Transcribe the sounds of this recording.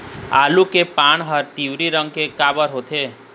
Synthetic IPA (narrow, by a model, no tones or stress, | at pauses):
alukepaɳɦəɾt̪iʋɾiɾə̃ŋkekabəɾɦot̪ʰe